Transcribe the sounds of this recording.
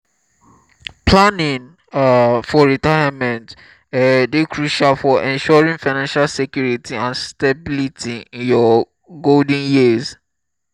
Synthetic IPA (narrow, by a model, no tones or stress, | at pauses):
planĩŋ | fɔɹitaɪamɛ̃nt | dekʰɹuʃalfɔʔɛ̃nʃɔɹĩnfaɪnãnʃalsɛkjuɹitʰiãnstabilitʰiĩnjɔ | ɡoldĩnjiz